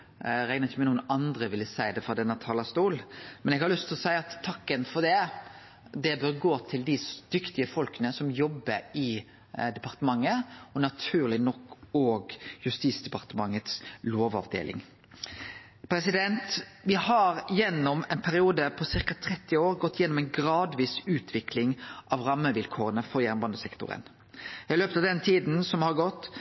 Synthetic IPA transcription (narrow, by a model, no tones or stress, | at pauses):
ɾɛɪnəʁɪçəmɛnuːənɑnd̪ɾəʋɪlːəsæɪd̪ɛfɾɑd̪ɛnːət̪ʰɑːlɑst̪uːlmɛnɛɡhɑɾlʉst̪ʰɪlɔsæɪɑt̪ʰːɑkːənfɔʁd̪ɛ | d̪ɛbøːʁɡoːt̪ʰɪld̪ɪsd̪̥ʏkt̪ɪəfɔlkənəsɔmjɔbːəɾɪ | d̪ɛpɑʁt̪əmɑŋːəɔnɑt̪ʰʉːʁlɪnɔkːoːɡjʉst̪iːsd̪ɛpɑʁt̪əmɑŋːət̪sloːʋɑ̰ʋd̪ḛːlʔɪ̰ŋ | pʰɾɛsɪd̪ɛnt̪ʋɪhɑɾjɛnːɔmɛnpʰæɾɪuːd̪əpʰɔsɪʁkɑt̪ʰɾɛt̪ːɪoːɾɡɔt̪ːjɛnːɔmɛɪnɡɾɑːd̪ʋiːsʉːt̪ʰʋɪklɪŋʔɑʋɾɑmːəʋɪlkʰoːʁənəfɔɾjæɾnmbɑnd̪əsɛkt̪ʊ̰ɾə̰n | ɪløːpət̪ɑʋd̪ɛnt̪ʰiːd̪n̩sɔmhɑɾɡɔt̪ː